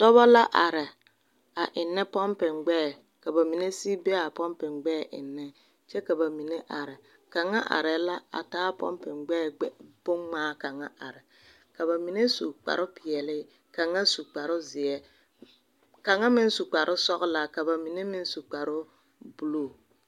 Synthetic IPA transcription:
tɔ˦βɔ˦la˦ʔa˨ɾɪ˨ | a˨ʔɪ˨nːɛ˦pɔ˦mpɪ˨ŋɡ͡bɛː˦˨ | ka˨ba˨mi˨ne˦si˦bɛ˦a˨pɔ˦mpɪ˨ŋɡ͡bɛ˦˨ʔɪ̰˨nːɛ˦ | t͡ʃɛ˦ka˨ba˨mi˨ne˦ʔa˨ɾɪ˨ | ka˨ŋa˦ʔa̰˨ɾɪ˨la˦a̰˨taː˦pɔ̰˦mpɪ˨ŋɡ͡bɛː˦˨ɛ˦b̥ʊ˦ŋŋ͡maː˦ka˨ŋa˦a˨ɾɪ˨ | ka˨βa˨mi˨ne˦su˨k͡pa̰˨ɾʊ˦pɪ˨ɛ˨lɪ˦ | ka˨ŋa˦su˨k͡pa˨ɾʊ˦zɪ˨ɛ˦ | ka˨ŋa˦mɪ˦n˦su˨k͡pa˨ɾʔʊ˦sɔ˦ɣla˨ka˨ba˨mi˨ne˦mɪ˦n˦su˨k͡pa˨ɾʊ˦ | bu˨lo˦˨

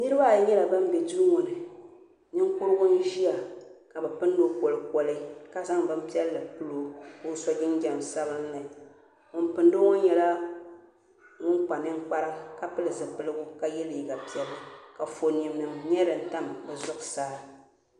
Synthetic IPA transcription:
nɨ˦ɾɨ˦ba˦˨jɲɛ˦la˨ba˦m̩˦bɛ˨du˦ŋʊ˨nɨ˨ | nɨ˦ŋ˦kʊ˦ɾɨ˦ɡʊ˦n˦ʒi˦ja˨ka˨bɨ˨pɨ˦n˦do˦ko˨lɨ˦kɔ˦lɨ˦ka˦za˦ŋbɨ˦m̩˦pi˦ɛ˦lːɨ˨pɨ˦lo˨kʊ˦sɔ˦ɡɪ˦nɡʲɛ˨m˨sa˦bɨ˦n̩˦lɨ˨ | ŋʊ˦npɨ˨n˦dɨ˦ŋʊ˦ɲɛ˨la˦ | ŋʊ˦nk͡pa˨nɨ˦ŋk͡pa˦ɾa˦ka˦pɨ˦lɨ˨zɨ˨pɨ˦lɨ˦ɡʊ˦ka˨jɛ˦li˨ɡa˨pi˦ɛ˦lːɨ˨ka˨fo˨ni˨mnɨ˨mɲɛ˦ɾɨ˨n̩˦ta˦m˨bɛ˨zʊ˦ksaː˦

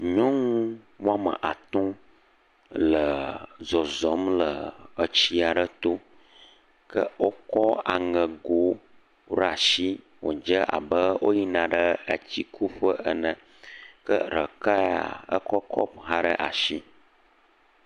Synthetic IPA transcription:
ɲɔ̃˦ŋũ˦ | wo˦a˦mə̰̃˨ʔa˨t̪ɔ̃˦ | lə˨zɔ˨zɔ˨˦mlə˨ə˨t͡ɕi˦a˨ɖə˦t̪o˦ | kə˦wo˦kɔ˦a̰˨ŋə̃˨ɡo˨˦ | ɖa˨ʃi˦ | wo̰˨d͡ʒə˦ʔa̰˨bə˦wo̰˦ji˦nã˨ɖə˦a˨t͡ɕi˨kʰu˦ɸə˦ʔə˦nə̃˨ | kə̰˦ɾə˨ka˦a̰˨ə̰˦kɔ˦kʰɔ˦p̚ɦã˦ɖə˦ʔa̰˨ʃi˦

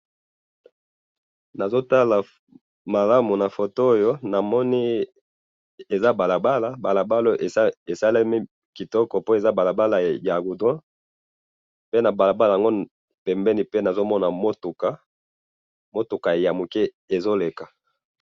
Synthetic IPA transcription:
na˨zo˦ta˦la˨ | ma˨la˦mu˨na˨fo˨to˦o˦jo˦na˨mɔ˦ni˦ | e˨za˦ba˨la˨ba˦la˨ba˨la˨ba˦lo˦ʔe˨˦e˨sa˦lɛ˦mi˦ | ki˨tɔ˦kɔ˨po˦e˨za˦ba˨la˨ba˦la˨ja˨ɡu˨dɔ̃˦ | pe˦na˨ba˨la˨ba˦la˨a˨ŋɡo˦ | pɛ˨mbɛ˦ni˨pe˦na˨zo˦mɔ˦na˨mo˦tu˨ka˦ | mo˦tu˨ka˨ja˨mu˨kɛ˦ | e˨zo˦le˨ka˨

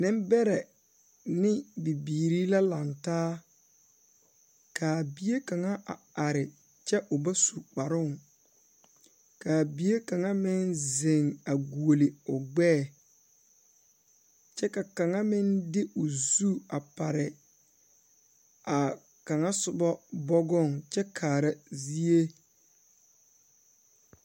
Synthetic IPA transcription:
nɪ˦m˦bɛ˦ɾɛ˨ | nɪ˦bi˨biː˨ɾiː˦la˦la˨ntaː˦ | kʰaː˨bi˦je˦ka˨ŋa˦ʔa˨a˨ɾɪ˨ | t͡ʃɛ˦ʔʊ˨ba˦su˨k͡pa˨ɾʊ˦˨ŋ | kaː˨bi˦je˦ka˨ŋa˦mɪ˦nzɪ˨ŋa˨ɡu˨o˨lɪ˨ʊ˨ɡ͡bɛː˦˨ | t͡ʃɛ˦ka˨ka˨ŋa˦mɪ˦ndɪ˦ʔʊ˨zu˦a˨pa˨ɾɪ˨ | a˨ | ka˨ŋa˦sʊ˨bɔ˦bɔ˦ɡɔ˦˨ŋt͡ʃɛ˦kʰaː˨ɾa˨zi˦e˦

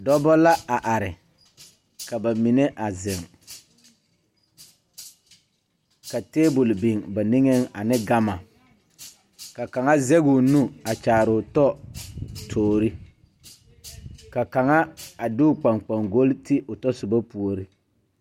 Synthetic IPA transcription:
dɔ˦bɔ˦la˦a˨ʔa˨ɾɪ˨ | ka˨ba˨mi˨ne˦ʔa˨zɪ˨ŋ | ka˨teː˦bʊ˨lbɪ˨ŋba˨nɪ˦ŋɛ˦ŋa˨nɪ˦ɡa˦ma˨ | ka˨ka˨ŋa˦zɛ˦ɡʊ˨nu˦a˨t͡ʃaː˨ɾʊ˨tɔ˦ | tʰoː˨ɾi˦ | ka˨ka˨ŋa˦a˨dɪ˦ʊ˨k͡pa˨ŋk͡pa˨ŋɡo˦ltɪ˦ʔʊ˨tɔ˦sʊ˨ba˦pu˨o˨ɾi˦

